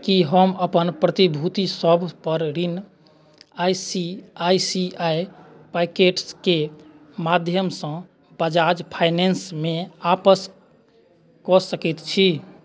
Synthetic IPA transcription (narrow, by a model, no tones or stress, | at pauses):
kiɦəməpənpɾət̪ibʱut̪isəbʱpəɾɾin | ajsiajsiaj | pakeʈske | mad̪ʱjəmsə̃ | bəd͡ʒad͡ʒpʰajnensmeapəs | kɔsəkit̪t͡ʃʰi